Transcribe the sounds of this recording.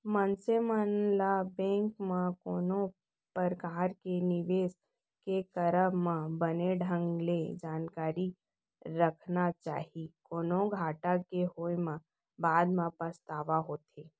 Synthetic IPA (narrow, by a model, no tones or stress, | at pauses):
mənsemənlabɛ̃ːŋkmãkoːnõ | pəɾkaːɾkenɪʋeːs | kekəɾəmãbəneɖʱə̃ŋɡled͡ʒaːnkaːɾi | ɾəkʰnat͡ʃa̰ːɦikoːnõɡʱaːʈakeɦoːjmã | baːd̪mãpəst̪aːʋaɦoːt̪eː